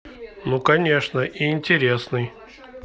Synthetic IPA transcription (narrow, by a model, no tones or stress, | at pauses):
nukɐnʲe̞ʂnəʔiːnʲtʲɪɾʲe̞snɨj